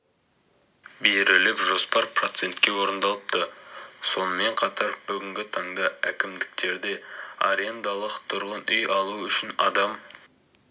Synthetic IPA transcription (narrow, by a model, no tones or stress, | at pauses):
beɾɪlɪpʒo̞spɑɾpro̞t̪se̞nt̪kʲewo̞ɾənd̪ɑlˠəp̚t̪əso̞nəme̞ɴqʰɑt̪ɑɾb̥ʏɡʲɪŋɡʲɪt̪ʰɑɴd̪ɑækʲɪmd̪ɪk̚t̪e̞ɾd̪e̞a̰ɾe̞nd̪ɑlˠəqt̪ʰʊɾʁənʏjɑlˠuʏʃɪnɑ̰d̪ɑm